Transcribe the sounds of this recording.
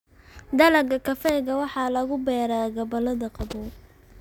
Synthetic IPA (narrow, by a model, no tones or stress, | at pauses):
d̪ɐlɐɡɐkʰɐfɛːɣɐwɑħɑːlɐɣʊbɛːɾaːɡɐbɐlɐðɐqɑbɔ